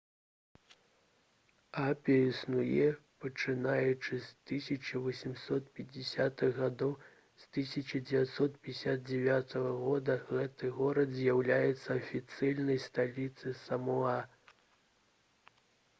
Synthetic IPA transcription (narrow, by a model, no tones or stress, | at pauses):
apʲiɐisnujɛpɐt͡ʂɨnajɛt͡ʂɨst̪ɨsʲɐt͡ʂɐvɐsʲimsɔt̪̚pʲɛd͡zʲɪsʲat̪ɨɣɣad̪ɔw | st̪ɨsʲɐt͡ʂɐd͡zʲɛvʲat̪sɔt̪̚pʲsʲad̪̚d͡zʲɛvʲat̪ɐɣɐɣɔd̪ɐɣɛt̪ɨɣɔɾɐd̪zʲjawlʲajɛt̪sːɐɐfʲit̪sɨlʲnɐjst̪alʲit̪sɨsɐmua